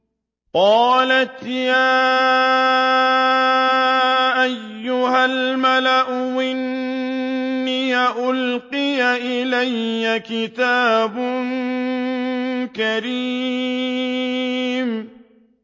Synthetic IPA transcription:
qɑːlat̪jaː | ʔajːʊhalmalaʔʊɪn | ijaʔʊlqɪjaʔɪlajːakɪt̪aːbʊn | kaɾiː | m

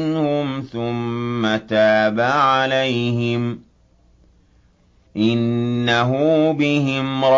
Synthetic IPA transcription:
nhʊmθʊmːat̪aːbaʕalajɦɪm | ʔɪnːaɦʊbɪɦɪmɾ

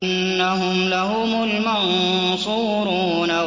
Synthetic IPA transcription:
nːaɦʊmlaɦʊmʊlman | suːɾuːna

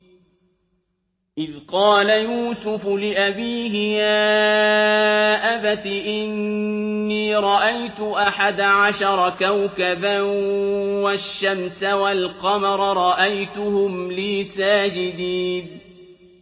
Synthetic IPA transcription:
ʔɪðqɑːlajuːsʊfʊlɪʔabiːɦɪjaː | ʔabat̪ɪʔɪnː | iːɾˤɑʔajt̪ʊʔaħad̪aʕaʃɑɾˤɑkawkaba | waʃːamsawalqɑmɑɾˤɑɾˤɑʔajt̪ʊhʊmliːsaːd͡ʒɪd̪iːn

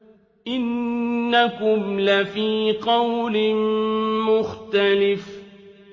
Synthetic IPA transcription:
ʔɪnːakʊmlafiːqɑwlɪmmʊxt̪alɪf

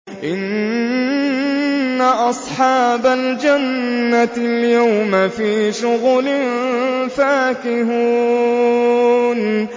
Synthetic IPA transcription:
ʔɪn | aʔɑsˤħɑːbald͡ʒanːaljawmafiːʃʊɣlɪ | faːkɪhuː | n

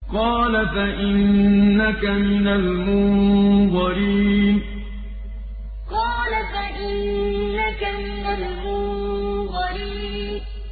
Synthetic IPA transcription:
qɑːlafaʔɪnːakamɪnalmʊɣɑɾi | qɑːlafaʔɪnːakamɪnalmʊɣɑɾi

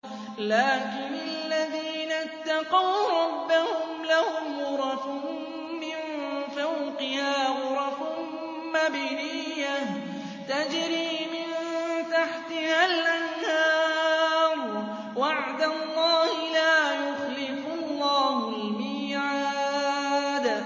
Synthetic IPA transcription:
laːkɪnalːaðiːnaʔat̪ːɑqɑwɾˤɑbːahʊmlahʊmwʊɾˤɑfʊ | mɪnfawqɪhaːwʊɾˤɑfʊm | mabɪnɪja | t̪ad͡ʒɾiːmɪnt̪aħt̪ɪhalʔanːaː | ɾˤ | waʕd̪alˤːɑːhɪlaːjʊflɪfʊlˤːɑːhʊlmɪːʕaː | d̪

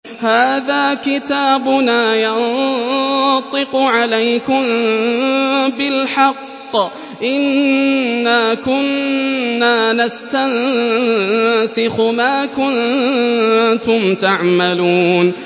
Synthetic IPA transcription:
haːðaːkɪt̪aːbʊnaːjɑn | t̪ˤɨqʕalajkʊn | bɪlħɑqː | ʔɪnː | aːkʊnː | aːnast̪an | sɪxʊmaːkʊn | t̪ʊmt̪aʕmaluːn

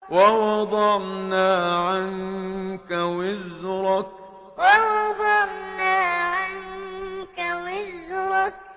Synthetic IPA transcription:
wɑwɑd̪ˤɑʕnaːʕankawɪzɾɑk | wɑwɑd̪ˤɑʕnaːʕankawʊzɾɑk̚

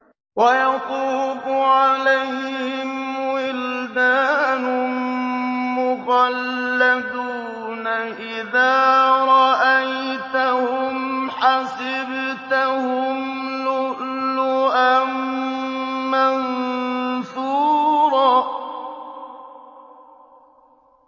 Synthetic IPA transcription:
wajɑt̪ˤuːbʊʕalajhhhɪmwɪld̪aːnʊ | mʊɣalːad̪uː | naʔɪðaːɾˤɑʔajt̪ahʊmħasɪbt̪ahʊm | lʊʔamː | an | suːɾˤɑː

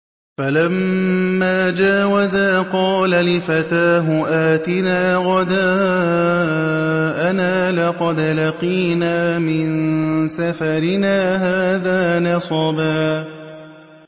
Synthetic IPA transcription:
falamːaːd͡ʒaːwazaːqɑːlalɪfat̪aːɦʊʔaːt̪ɪnaːɣɑd̪aː | ʔanaːlɑqɑd̪laqiːnaːmɪnsafɑɾɪnaːɦaːðaːnɑsˤɑbaː

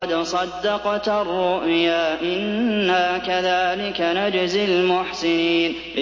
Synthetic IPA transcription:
d̪sˤɑd̪ːɑqɑt̪arːʊʔjaːʔɪnːakaðaːlɪkanad͡ʒzɪlmʊħsɪniːn | ɪ

